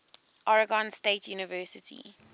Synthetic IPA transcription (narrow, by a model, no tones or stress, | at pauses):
ʔɔɹəɡɔ̃nsteːtʰjuːnɪvɜːˑsɪtʰḭ